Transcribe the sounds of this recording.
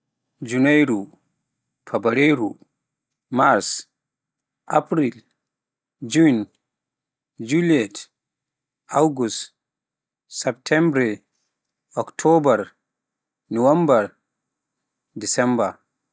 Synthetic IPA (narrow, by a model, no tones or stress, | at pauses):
d͡ʒunajɾu | pʰabaɾejɾu | maɾs | ʔapɾil | d͡ʒun | d͡ʒuliɛt | ʔawɡust | sɛptʰɛmbɾɛ | ɔktʰɔbaɾ | nɔwambaɾ | disɛmba